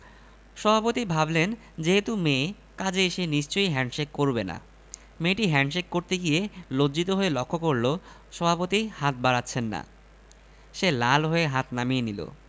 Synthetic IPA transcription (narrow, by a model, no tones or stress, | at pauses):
ʃɔbʱapot̪ibʱablen | d͡ʑeɦet̪ume | kad͡ʑeʃeniʃt͡ɕojɦɛɳɖʃekːoɾbena̰ | meʈiɦɛɳɖʃekːoɾt̪eɡijelodːd͡ʑit̪oɦoelɔkʰːokoɾlo | ʃɔbʱapot̪ihat̪̚baɾatːɕʰenːa̰ | ʃelalɦoeɦat̪namijenilo̰